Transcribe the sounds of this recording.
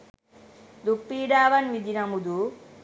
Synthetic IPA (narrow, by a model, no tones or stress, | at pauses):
d̪upːiːɖaːʋɐnʋid̪inɐmud̪u